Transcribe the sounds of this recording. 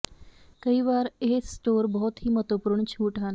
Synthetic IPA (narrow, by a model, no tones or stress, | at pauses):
kəɦiʋaɾɦesʈoɾbɔɦt̪ɦiːmət̪opɾuːɳt͡ɕʰuːʈan